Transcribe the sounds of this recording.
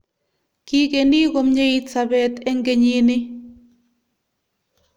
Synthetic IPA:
ki˦keniː˦ko˨mɲe˦itsabɛt̪ɛ˦ŋɡe˨ɲiːnɪ˦

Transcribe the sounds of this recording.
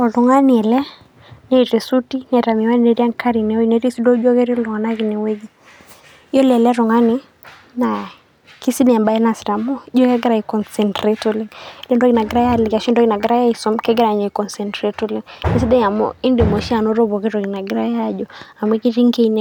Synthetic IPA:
ɔ˨lɔ˨ŋa˦ni˨ɛ˨lɛ˦ | nɛ˦i˨ɾɛ˨su˦ti˦nɛ˨ɾa˨mi˨wa˦ni˦nɛ˨ɾi˦a˦ŋka˦ɾi˨nɛ˨ɔ˦i˨nɛ˦ɾi˦si˦dɔ˦d͡ʒɔ˦kɛ˦ɾi˦lɔ˨ŋa˨na˦ki˨nɛ˨wɛ˦ɡi˦ | i˦jɔ˦lɛ˨ɛ˨lɛ˦ɾɔ˨ŋa˦ni˦ | na˨ | ki˦si˦nɛ˨a˨mba˨ɛ˦na˨si˨ɾa˨mɔ˦d͡ʒɔ˦kɛ˦ɡɛ˦ɾa˨i˨kɔ˨nsɛ˨ntɾɛ˦tɔ˦lɛ˦ŋ˦lɛ˦ndɔ˦ki˨na˨ɡɛ˦ɾa˦ja˦li˨ka˨ʃi˦ndɔ˦ki˨na˨ɡɛ˦ɾa˦ja˦i˨sɔ˨mkɛ˦ɡɛ˦ɾa˨ɲa˨i˨kɔ˨nsɛ˨ntɾɛ˦tɔ˦li˦ŋnɛ˦si˦dɛ˦ɲa˨mɔ̰i˦ndɛ˨mɔ˨ʃi˦a˨nɔ˦ɾɔ˦βɔ˨kɛ˦ɾɔ˨ki˨na˨ɡɛ˦ɾa˦ja˦ʄɔa˨mwɛ˦ki˦ɾi˦ŋ˦kɛ˦inɛ

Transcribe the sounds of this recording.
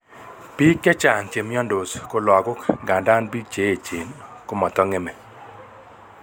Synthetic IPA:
pi˦kːɛ˦t͡ʃa˨ŋt͡ʃe˨mjɔ˦ndo˨sko˦lɔ˨ɡʊ˦kɡa˨nda˦nbi˦t͡ʃe˦e˨t͡ʃe˨nkʊ˦mɔ˨t̪ɔ˦ŋɛ˦me˨

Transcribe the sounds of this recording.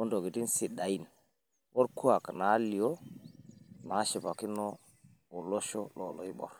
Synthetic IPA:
o˦ndo˨ɡi˨ti˦nsi˨ɗa˨i˦˨n | wo˦ɾku˦a˨kna˨˦li˨o˦ | na˨˦ʃi˨pa˨ki˦no˦ | o˨lo˦ʃo˦lo˨lo̰˨i˦ɓɔ̰˨ɾ

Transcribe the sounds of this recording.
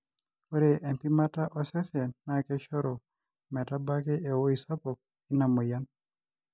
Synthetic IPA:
o˦ɾe˨ʔe˨m˨pi˦ma˦ta˦ʔɔ˦sɛ˦sɛ˨na˨kɛ˦ʃɔ˦ɾɔ˨ | mɛ˨ta˦ba˦kɛ˦ʔe˨wo˦i˨sa˦pɔ˨k̚ | i˦na˨mo˨ja˦n

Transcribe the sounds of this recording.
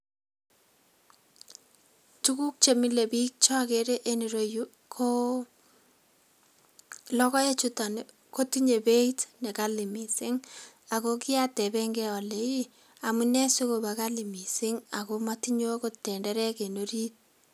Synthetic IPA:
tu˦ku˦k̚t͡ʃe˨mi˦le˨bi˦k̚t͡ʃɔ˦ke˨ɾe˦ʔe˦ni˨ɾo˦ju˦ | kʰo˦ | lɔ˦kɔ˦e˦t͡ʃu˦ta˨n | ko˦ti˦ɲe˨be˦itnɛ˨ka˦li˨mi˨sɪ˦ŋ | a˨ko˦ki˦a˦tɛ˨bɛŋɡɛɔ˨le˨i˦ | a˨mu˦nɛ˦se˦ko˨ba˨ka˦li˨mi˨sɪ˦ŋa˨komati˦ɲo˦ko˦tːɛ˨ndɛ˦ɾɛ˦ke˨noɾi˦t̚

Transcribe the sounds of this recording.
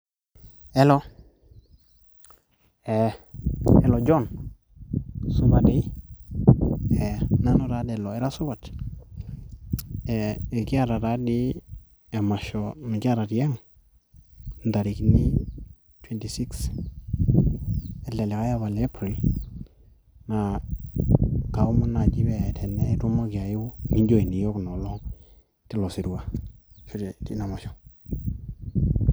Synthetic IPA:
e˦lo˦ | e˨ | e˨lo˨d͡ʒo˦˨n | su˦ba˨de˦ | e˨na˦no˨ɾa˦de˨lo˨e˦ɾa˦su˦ba˨t | e˨e˨ki˦a˦ɾa˨ɾa˦di˦ | e˨ma˨ʃo˨mi˨ka˦ɾa˨tja˦ŋ | n˨da˨ɾi˨kni˦ | twɛ˦nti˨si˦ks | ɛ˨le˨li˨ka˦ja˦βa˨le˦pɾi˨l | na˨ | ka˨˦mu˦na˨d͡ʒi˦bɛ˨tʰɛ˨nɛ˦tu˦ma˦ki˨a˨ju˦ŋi˦nd͡ʒo˦˨i˨ni˨jo˦knɔ˨lɔ˦ŋ | ti˦lɔ˨si˨ɾu˦wa˨ | ʃu˦de˨ti˦na˨ma˨ʃɔ˨

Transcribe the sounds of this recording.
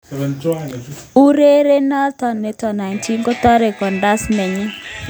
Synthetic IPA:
u˦ɾe˦ɾe˦na˦tɔ˨nːe˨tɔ˨na˨ntʰi˦ŋɡɔ˦t̪ɔ˦ɾe˨kɔ˨nda˦smɛ˨ɲi˦

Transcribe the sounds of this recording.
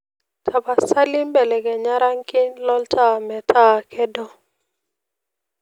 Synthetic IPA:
tʰa˨ba˨sa˦li˦mbɛ˨lɛ˨ɡɛ˨ɲa˦ɾa˦ŋkɪ˦ɲlɔ˦lta˦mɛ˨tʰa˦kʰɛ˦dɔ˦

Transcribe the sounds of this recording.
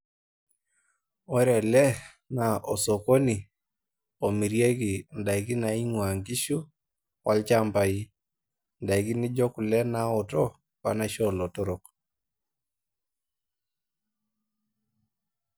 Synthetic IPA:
ɔ˦ɾɛ˨lɛ˦ | na˨ʔɔ˨sɔ˨ko˦ni˨ | o˨mi˨ɾje˦ɡi˨nda˨i˨ki˦na˨i˦ŋwa˨ŋɡi˦ʃu˦ | wa˦lt͡ʃa˦˨mba˨i˦ | nda˨i˨kɪ˦nɪ˦d͡ʒɔ˦ku˨lɛ˦na˨ɔ˨tɔ˦ | ka̰˨na˦ʃɔ˦˨lɔ˨tɔ˦ɾɔ˨k

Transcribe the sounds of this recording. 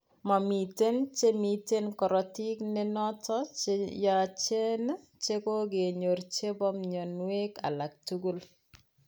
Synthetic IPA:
ma˨mi˨te˦nt͡ʃe˦mi˨te˦nkɔ˨ɾɔ˨ti˦kne˦nɔ˦tɔ˦t͡ʃja˨t͡ʃe˦n˦ | t͡ʃe˦ko˦ɡe˨ɲo˨ɾt͡ʃe˦bɔ˦mɲo˨nwe˦ka̰˨la˨k̚tu˦ɡu˦l

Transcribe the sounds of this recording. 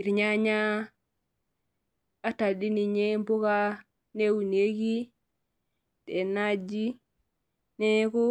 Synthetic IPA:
i˨ɾɲa˦ɲa˦ | a˦ta˨di˦ni˨ɲe˦mbo˦ka˦ | ne˦wu˨ne˦ɡi˦ | te˨nad͡ʒi˦ | ne˦ko˦

